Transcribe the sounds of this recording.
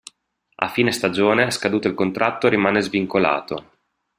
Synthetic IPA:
a̰fiːnest̪ad͡ʒoːneskad̪uːt̪oilkont̪ɾʔat̪ːoɾimaːnezviŋkola̰ːt̪o

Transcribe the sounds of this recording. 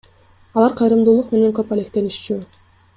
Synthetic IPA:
ɑlˠɑɾqʰɑjɾɯmd̪uːlˠuqme̞ne̞ŋkøpale̞k̚t̪e̞nyʃt͡ʃy

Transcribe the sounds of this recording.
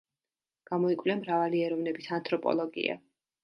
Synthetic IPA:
ɡ̥amɔikʼvliɛmɾavaliɛɾɔvnɛbisʰant̪ʼʰɾɔpʼɔ̰lˠɔɡḭa̰

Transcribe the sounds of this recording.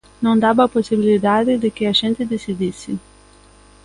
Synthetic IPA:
nɐ̃w̃d̪abɐːposibilid̪ad̪ɪd̪ɪkɪɐʒẽnt̪ɪd̪esid̪isɪ

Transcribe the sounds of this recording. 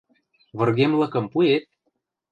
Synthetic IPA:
βɤ̆rɣemlɤ̆kɤ̆mpuet̪̚

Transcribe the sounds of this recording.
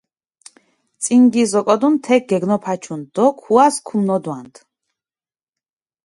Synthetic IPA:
t͡s̪ʼiŋɡizɔkʼɔd̪unt̪ʰɛɡ̚ɡɛɡnɔpʰat͡ʃʰund̪ɔkʰuaskʰumnɔd̪want̪ʰ

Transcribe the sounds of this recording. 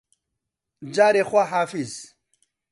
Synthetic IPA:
d͡ʑaːɾexwaɦaːfiz

